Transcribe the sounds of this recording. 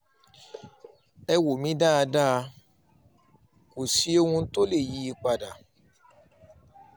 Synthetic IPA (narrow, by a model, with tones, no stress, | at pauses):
ɛ˧wo˨mĩ˨˦da˦a˧da˦˧ | ko˨si˨˦o˧hũ˧˦to˦le˦˨ji˨˦i˧k͡pa˧da˨